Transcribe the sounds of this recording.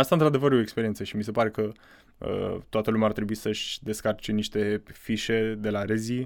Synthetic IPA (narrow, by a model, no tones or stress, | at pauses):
ast̪aɨnt̪ɾad̪e̞vəɾjo̞ekspeɾiet̪səʃimise̞paɾe̞kə | ə̰t̪oat̪əlumʲart̪ɾe̞buisəʃʲd̪e̞skart͡ʃe̞niʃt̪e̞fiʃe̞d̪e̞laɾezi